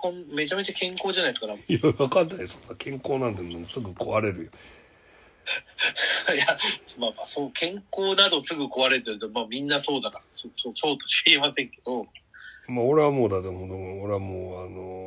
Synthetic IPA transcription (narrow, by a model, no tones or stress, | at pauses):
kõmme̞t͡ɕame̞t͡ɕakẽ̞ŋko̞ːʑanaieskaɾajβakanːaisonːakʰẽ̞ŋkoːnãnt̪̬enomosɨɡɯ̟koβaɾe̞ɾɯ̟jo | jasmaːmaːsoːkʰẽ̞ŋko̞ːnad̪o̞sɨɡɯ̟ko̞βaɾe̞ɾt̪eɾɯ̟t̪omaːmʲĩnːaso̞ːd̪anasosoːso̞ːt̪oɕi̥iemasẽŋke̞d̪o̞ | maoɾeβamoːd̪ad̪oõd̪oɡoɾeamoːano